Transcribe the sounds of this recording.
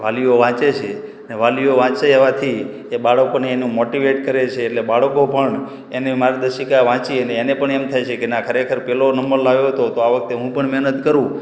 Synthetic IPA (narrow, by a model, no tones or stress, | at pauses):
ʋalijoʋãt͡ʃet͡ʃʰeəneʋalioʋãt͡ʃeeʋat̪ʰi | ebaɭəkoneːnũmoʈiʋeʈkəɾet͡ʃʰeːʈlebaɭəkopəɳ | enemaɾad̪əʃikaʋãt͡ʃiəneːnepəɳemt̪ʰajt͡ʃʰekenakʰəɾekʰəɾpɛlonəməɾlaʋjoɦət̪ot̪oaʋək̚t̪eɦũpəɳmɛɦnət̪kəɾũ